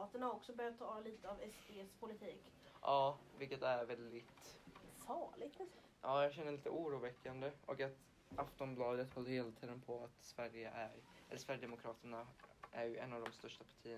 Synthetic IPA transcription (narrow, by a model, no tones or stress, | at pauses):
t̪əɳaɾɔksɔbœɾjat̪ʰːɑːɑːvliːt̪əavɛst̪eːɛspʰʊlɪt̪ʰiːk | ʔɑːvɪlkːət̪æɾvɛld̪ɪt̪fɑːɭɪɡ̚t̪ɛ | ʔɑːjɑːɡɕɛnːəɭliːt̪ə̰ʔuːɾuːvɛkːand̪əʔɔkat̪ | aft̪ɔmblɑːd̪ət̪hɔlːəɾheːlat̪ʰiːd̪ənpʰɔat̪svæɾjəʔæɾɛlːʂvæɾjəd̪ɛmʊkʰɾɑːt̪əɳaʔæɾjɵɛnːavd̪ɔmst̪œʂʈapʰḁʈʰiːə